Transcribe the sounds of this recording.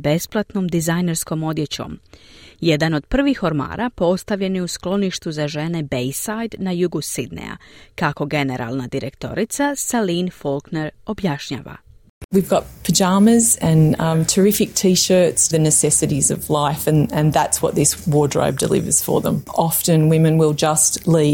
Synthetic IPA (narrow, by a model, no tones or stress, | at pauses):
be̞splˠat̪no̞ːmd̪izajne̞ɾsko̞mo̞d̪jet͡ɕo̰mjed̪ano̞d̪̥̚pr̩ʋixo̞ɾma̰ːɾʔapo̞st̪aʋʎe̞niusklˠo̞niʃt̪uzaʒe̞ne̞bejsajd̪najuɡusid̪nḛja̰kako̞ɡe̞ne̞ɾʔa̰lˠnad̪iɾekt̪o̞̰ɾit̪sasaliːnfolˠkne̞ɾo̞bjaʃɲa̰ːʋa̰ | wivɡɑt̚pʰɨd͡ʒɑməzɨ̃ntʰə˞ɪfɨk̚tʰiʃɜ˞tsðɨnɨsɛsɨɾizʌ̰vlaɪfɨ̃nɨ̃nðætswʌ̰t̪̚ðɪswɔɹdɹo̰ʊb̚də̰lɪ̰və̰˞z̥fə̰˞ðə̰̃mɑftɨ̃nwɪ̃mɨ̃nwɪlˠd͡ʒʌstli